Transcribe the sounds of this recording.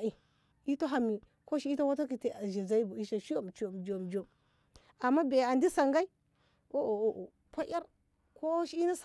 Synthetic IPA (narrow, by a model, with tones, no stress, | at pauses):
i˨ | i˦ta˦ɦa˨mi˨ | ko˦ʃi˦i˦ta˦wa˦ta˦ki˨ti˨a˨ʒi˨za˦i˦bu˨i˦ʃa˨ʃi˦o˦˨m˨t͡ʃi˦o˨m˨d͡ʒo˨m˨d͡ʒo˨m | a˨mːa˦be˨a˨ndi˦sa˨ŋɡa˦i˦ | o˦ʔo˨o˨ʔo˨ | pa˦ʔa˦ɾ | ko˦ʃi˦i˦na˦s